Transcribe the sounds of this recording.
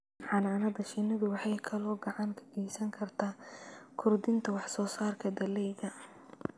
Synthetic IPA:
ʕɑnaːnɐðɐʃɪnɐðʊwɑħɑjkʰɐlɔːɡɐʕɑŋkʰɐ̥ɡ̥ɛjsɐŋkʰɐrt̪ʰaːkʰʊrd̪ɪnt̪ʰɐwɑħsɔːsaːrkʰɐd̪ɐlɛjɣɐ

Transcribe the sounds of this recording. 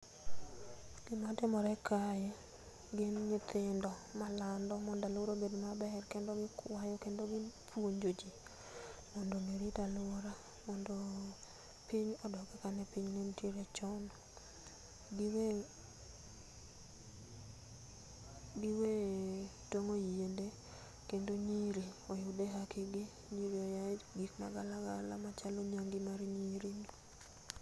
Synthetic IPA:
ɡ̥ɪmɔtɪmɔɾɛkʰajɛ | ɡɪnɲɪt̪ʰɪndɔmalandɔmɔndalʊɾobedmabɛrkendoɡɪkwajɔkendoɡɪpʰwoɲd͡ʒod͡ʒi | mɔndomiɾitalɔɾa | mɔndo | piɲɔdɔɡɛkanɛpiɲnentjeɾɛt͡ʃɔn | ɡwe | ɡiwetoŋojiende | kendoɲiɾiɔjʊdɛɦakʰɪɡɪ | ɲiɾiɔjaɡikma̰ɡalaɡalamat͡ʃalɔɲaŋɡɪmaɾɲiɾiɲ

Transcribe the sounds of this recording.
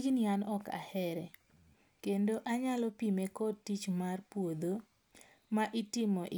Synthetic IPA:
d͡ʒnianɔka̰hɛɾɛ | kendoʔaɲalɔpimekɔd̚tit͡ʃmarpwod̪o | maʔitɪmɔʔ

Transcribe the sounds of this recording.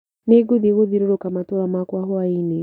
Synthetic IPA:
neɡuðiɣoðiɾoɾokamatɔɾamakwaɦɔaini

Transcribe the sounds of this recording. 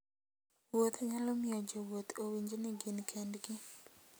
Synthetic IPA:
wot̪aɲalɔmɪɔd͡ʒowot̪owiɲd͡ʒenɪɡɪnkʰendɡɪ

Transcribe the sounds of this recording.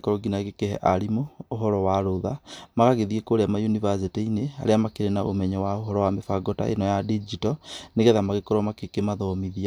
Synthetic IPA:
kɔɾɔɡinaɣekehɛ̰ʔaɾimoːɦɔɾɔwaɾoðamaɣaɣeðiekoɾeamajunivas̬iteinea̰ɾeamakeɾenaʔo̰mɛɲɛwaoɦɔɾɔwamefaɡɔta̰ʔḛnɔjadid͡ʒitɔneɣɛðamaɣekɔɾɔmakekemaðɔmiðia

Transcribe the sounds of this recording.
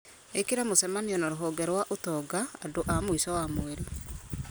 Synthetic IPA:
ekeɾamosɛmaniɔnaɾoɦɔɡɛɾwaʔotɔɡaadoʔamoisɔwamoele

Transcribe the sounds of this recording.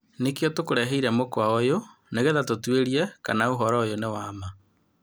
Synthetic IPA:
nekjɔtokoɾɛɦeiɾɛmokwaojoneɣeðatotweɾiɛkanaoɦɔɾɔojonewaːma

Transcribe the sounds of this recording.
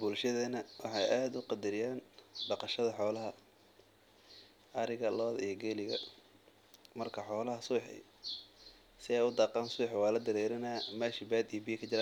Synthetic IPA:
bʊlʃɐðɐnɐwɑħɑjʔaːd̪ʊqɑd̪ɐɾɪjaːnbɑqɑʃɐðɐħɔːlɐɦɐ | ʔɐɾɪɣɐlɔːðɐijɞɡɛːlɪɣɐ̰ | mɐrkʰɐħɔːlɐɦɐsuːħɪ̰ | sɪɛjʊd̪ɑːqɑːnsuːħɪwɑːlɐd̪ɐɾɛːɾɐnaːmaːʃɪbaːd̪ijɔbɪjkʰɐt͡ʃɪɾaː

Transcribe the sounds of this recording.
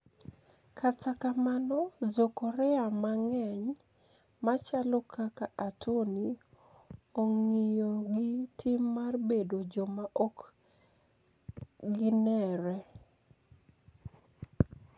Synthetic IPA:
katakamanɔzokɔɾɛamaŋɛɲ | mat͡ʃalɔkakaʔatʰoni | oŋijoɡitʰimːarbedod͡ʒɔmaʔɔk | ɡɪnɛɾɛ

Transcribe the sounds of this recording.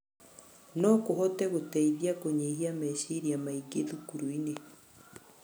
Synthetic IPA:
nɔkoɦɔtɛɣotɛiðiakoɲehiamɛʃiɾiamaiɡeðukuɾuine

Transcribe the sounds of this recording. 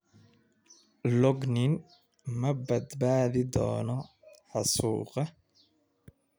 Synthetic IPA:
lɔɡnɪn | mɐbɐd̪baːðɪd̪ɔ̰ːnɔ | ħɑsuːqɑ

